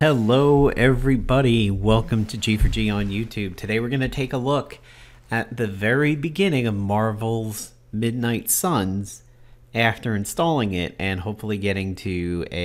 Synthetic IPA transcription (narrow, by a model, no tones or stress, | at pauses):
hɛloʊɛvɹibɑɾiwɛlˠkɨ̃mtʰɨd͡ʒifə˞d͡ʒiə̃njʉtʰʉb̚tʰɨdeɪwɨɹɡʌnɨtʰeɪkəlʊk | ɨt̪̚ðɨvɛɹibɨɡɪ̃nɪ̃ŋʌvmɑɹvl̩ˠz̥ | mɪdⁿnaɪtsʌ̃nz̥ | æftə˞ɨ̃nstɔlˠɪ̃ŋɪɾɨ̃nhoʊpfl̩ˠiɡɛɾɪ̃ŋtʰʉɨ